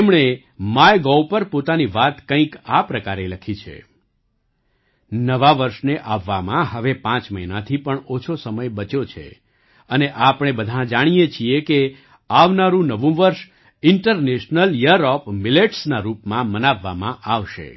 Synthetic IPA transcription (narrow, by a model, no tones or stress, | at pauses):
mɳ̃e | majɡowpəɾpot̪aniʋat̪kə̃ĩkapɾəkaɾeləkʰit͡ʃʰḛ | nəʋaʋəɾʃneʔaʋːamãɦəʋepãt͡ʃməinat̪ʰipəɳot͡ʃʰosəməjbət͡ʃot͡ʃʰḛ | əneʔapɽ̃ebəd̪ʱãd͡ʒaɽ̃ijet͡ʃʰieke | aʋnaɾũnəʋũʋəɾʃ | ɪɳʈəɾneʃnəljəɾɔpmileʈsnaɾupmãmənaʋːa̰mã̰ʔaʋʃḛ